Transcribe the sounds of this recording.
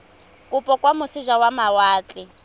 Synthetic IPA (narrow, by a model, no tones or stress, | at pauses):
kʼupʼɔkʼwamʊsiʒawamawaːt͡ɬʼi